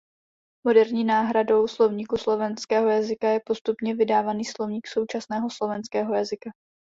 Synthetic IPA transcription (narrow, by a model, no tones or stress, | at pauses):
mo̞dɛɾɲiːnaːɦɾado̞wslo̞vɲiːkuslo̞vɛnskɛːɦo̞jazɪkajɛpo̞st̪upɲɛvɪdaːvaniːslo̞vɲiːkso̞wt͡ʃasnɛːɦo̞slo̞vɛnskɛːɦo̞jazɪka